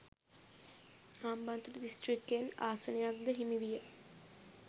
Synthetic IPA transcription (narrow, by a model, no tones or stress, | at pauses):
aːmbant̪əʈədisʈrikːejna̰ːsənejak̚d̪əɦimiʋijə